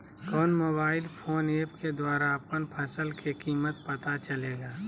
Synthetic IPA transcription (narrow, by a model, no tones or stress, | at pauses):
kɔːnmoːbaːɪlpʰoːneːpked̪waːɾaəpkənpʰɐsəlkʰekiːmət̪pɐt̪at͡ʃɐleːɡaː